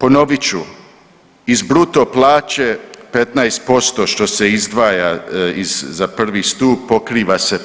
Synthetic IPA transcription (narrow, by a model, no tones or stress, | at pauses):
po̞no̞ʋit͡ɕu | izbɾut̪o̞plˠaːt͡ʃepe̞t̪naest̪̚po̞st̪o̞ʃt̪oseizd̪ʋaːjaizzapr̩ʋist̪uːb̚po̞kɾiːʋase̞